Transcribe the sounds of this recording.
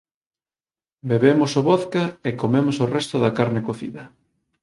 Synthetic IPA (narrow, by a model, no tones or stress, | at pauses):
beβemosoβɔθkaekomemosorɛst̪ʊðɐkaɾnekoθḭðɐ